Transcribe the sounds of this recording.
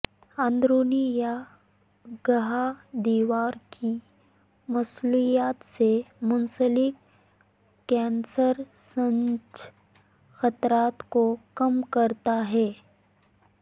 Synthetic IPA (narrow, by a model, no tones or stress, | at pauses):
ãnd̪ɾoːnija | ɡɐɦad̪iːʋaːɾki | mɐslujaːt̪semʊnsəlɪkː | ɛ̃ːnsəɾ | sə̃nd͡ʒ | xɐt̪ɾaːt̪kokɐmkɐɾt̪aɦɛː